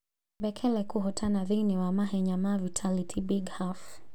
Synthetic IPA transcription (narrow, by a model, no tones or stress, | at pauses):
bɛkʰɛlɛkuɦɔtʰanaðiniwamaɦɛɲamavitʰalitʰibiɡhaf